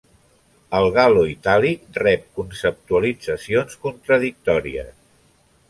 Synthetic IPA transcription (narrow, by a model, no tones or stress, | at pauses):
əlˠɣaloit̪alik̚rɛp̚kunsəp̚t̪uəlid͡zəsionskunt̪ɾəðik̚t̪ɔɾḭə̰s